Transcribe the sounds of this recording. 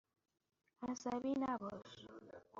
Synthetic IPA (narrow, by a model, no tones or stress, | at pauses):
asaβinaβɔs